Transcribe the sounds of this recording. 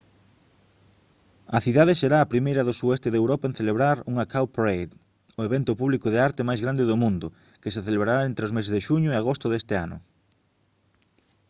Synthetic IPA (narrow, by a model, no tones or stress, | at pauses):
ɐθiðaðeseɾaːpɾimejɾɐðʊsuɛst̪eðewɾɔpaen̟θeleβɾaɾuŋakawpɾejð | oeβɛnt̪ʊpuβlikʊðeaɾt̪emajzɣɾand̪eðʊmũnd̪ʊ | kes̬eθeleβɾaɾaent̪ɾeozmesezðeʃuɲʊeaɣ̞ost̪ʊðest̪eanʊ̰